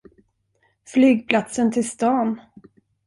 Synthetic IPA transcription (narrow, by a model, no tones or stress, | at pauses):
flyːɡ̚pʰlat̪sənt̪ʰɪlst̪ɑːn